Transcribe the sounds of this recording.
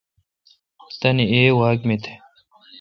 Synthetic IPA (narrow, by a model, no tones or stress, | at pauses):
t̪ɐnieːwaːkmet̪ʰe̥